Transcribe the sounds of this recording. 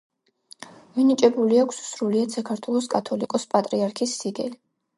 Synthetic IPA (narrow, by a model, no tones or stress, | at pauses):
minit͡ʃʼɛbuliakʷʰsu̥sɾuliad̪sakʰaɾt̪ʰwɛlˠɔskʼat̪ʰɔlikʼɔspʼat̪ʼɾiaɾkʰisːiɡɛ̰li